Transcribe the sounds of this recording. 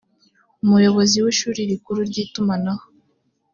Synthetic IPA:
umujo̞βo̞ziwiʃuːɾiɾikuɾuɾɟiːtumanaho

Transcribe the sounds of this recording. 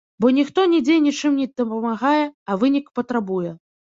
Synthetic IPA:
bɔnʲixt̪ɔnʲɛd͡zʲejɛnʲit͡ʂɨmnʲɛd̪ɐpɐmaɣajɛɐvɨnʲikpɐt̪ɾabujɛ

